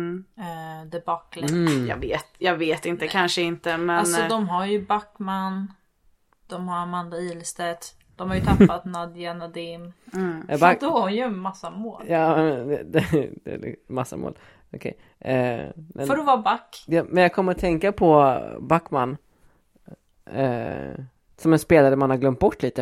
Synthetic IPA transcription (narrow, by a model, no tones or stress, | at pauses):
d̪əbakːljɑ̰ːɡveːt̪jɑːɡveːt̪ɪnt̪əkʰanʂəɪnt̪əmɛanɔd̪ɔmɦaɾjɵbakːman | d̪̥ɔmhaɾamand̪aiːlst̪ɛt̪ | d̪̥ɔmhaɾjɵt̪ʰapːat̪nad̪janad̪ɪm | baajɵmasːamoːljɑːɛɛd̪ɛd̪ɛ̰masːa̰mo̰ːl | ɔkʰɛ̰j | mʔɛfɔɾɔvabakːjɑmɛnjaɡkʰɔmːəɾɔt̪ʰɛŋkapʰɔbakːmanː | sɔmɛnspeːlaɾəmanhaɾɡlœmt̪̚bɔʈːliːt̪ə